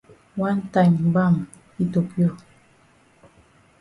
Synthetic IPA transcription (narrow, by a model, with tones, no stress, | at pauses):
wa˦n˦ta˨ɲ˨ba˦˨ŋ | i˦to˨pjɔ˦˨